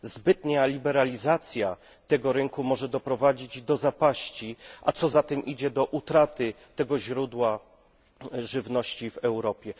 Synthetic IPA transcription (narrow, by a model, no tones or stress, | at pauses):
zbɘt̪ɲaalʲibɛɾalʲizat̪sʲja | t̪ɛɡɔɾɘŋkumɔʐɛd̪ɔpɾɔvad͡ʑid͡ʑd̪ɔzapaɕt͡ɕiʔa̰t̪sɔzat̪ɛmʔid͡ʑɛd̪ɔʔut̪ɾat̪ɘ | t̪ɛɡɔʑɾud̪wa | ʐɘvnɔɕt͡ɕivɛwɾɔpʲjɛ